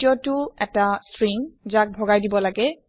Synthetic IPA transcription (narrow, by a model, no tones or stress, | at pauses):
iɔtʊɛtastɹiŋzak̚bʱɔɡajdibɔlaɡɛ